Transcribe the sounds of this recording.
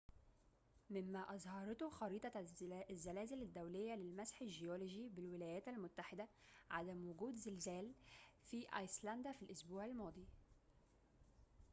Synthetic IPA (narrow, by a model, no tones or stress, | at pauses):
mɪmːæʔɑzˤhɑɾˤɑt̪ʊxɑɾiːt̪ˤɑzːælæːzɪlad̪ːawlɪjːælɪlmæsħaʒɪjoːloʒibɪlwɪlæːjæːt̪almʊt̪ːaħɪd̪æʕad̪æmwʊɡuːd̪zɪlzæːlfiʔɑjslænd̪æfilʔʊsbuːʕalmɑːd̪ˤiː